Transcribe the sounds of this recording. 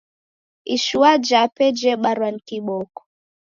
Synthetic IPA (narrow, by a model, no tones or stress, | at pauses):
iʃuwad͡ʒapɛd͡ʒɛɓaɾwan̩kiɓɔkɔ̥